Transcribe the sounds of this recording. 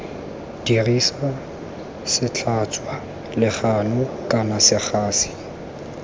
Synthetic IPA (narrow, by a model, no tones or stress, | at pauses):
d̥irisa | sɪt͡ɬʰat͡sʰʼwa | lɪχanʊkʼanasɪk͡xʰaːsi̥